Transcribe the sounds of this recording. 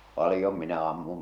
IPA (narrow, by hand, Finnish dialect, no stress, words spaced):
pɑlĭjom minæ ɑmːum